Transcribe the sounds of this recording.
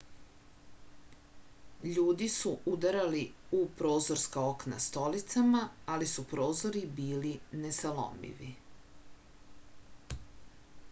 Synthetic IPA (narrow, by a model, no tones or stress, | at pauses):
ʎuːd̪isuud̪aɾaliupɾo̞ːzoɾskaokna̰st̪o̞lit̪samaalisupɾo̞ːzoɾibiːlinesalo̰mḭʋḭ